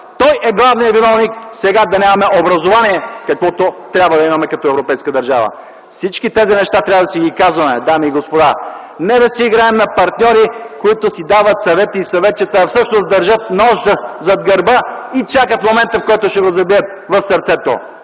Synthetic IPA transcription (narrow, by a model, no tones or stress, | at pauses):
t̪ɔjʔɛɡlˠavnijɐvinɔvniksɛɡad̪ɐnʲamɐmɛʔobɾɐzovaniɛkɐkvɔt̪ot̪ɾʲabvəd̪ɐimɐmɛkɐt̪ɔɛvɾopɛjskəd̪ɐɾʒavə̰ | fsit͡ʃkit̪ɛzinɛʃt̪at̪ɾʲavəd̪ɐsiɡʲikazvɐmɛd̪amiːɡospod̪a | nɛd̪ɐsɛiɡɾaɛmnɐpɐɾt̪nʲɔɾikoit̪osid̪avɐt̪sɐvɛt̪əisɐvɛt̪t͡ʃət̪əfsɤʃnozd̪ɐɾʒət̪̚nɔʃəzɐd̪ɡɐɾbəit͡ʃakət̪momɛnt̪əfkɔjt̪oʃɛɡozɐbiət̪̚ | vɐfsɐɾt̪sɛt̪o̰